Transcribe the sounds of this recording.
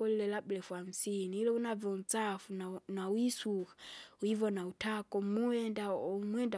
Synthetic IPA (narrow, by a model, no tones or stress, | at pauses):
ɔlilɛlablɛfuam̩siniːlɔunavɔn̩t͡safunnawisukḁwivɔnautʰakɔmuɛndamwɛnda